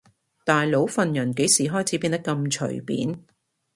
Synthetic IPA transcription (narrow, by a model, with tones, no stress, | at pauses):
t̪aː˨jlo˨˥wfɐ˨˧njɐ˨˩nke˨˥jsiː˨˥ɦɔː˥jt͡sʰiː˨˥piː˧nt̪ɐ˥kːɐ˧mt͡ʃʰɵ̰˨˩ɥpḭː˨˥n